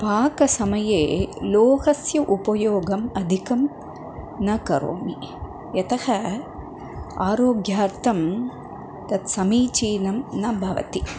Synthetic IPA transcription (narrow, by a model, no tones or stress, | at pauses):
paːkɐsɐmɐjeːloːhɐsjɐʔupɐjoːɡɐmɐd̪ʱikɐm | nɐkɐɾo̰ːmi | jɐt̪ɐhɐ | aːɾoːɡjaːɾt̪ʰɐm | t̪ɐt̪sɐmiːt͡ʃiːnɐmnɐbʱɐʋɐ̰t̪i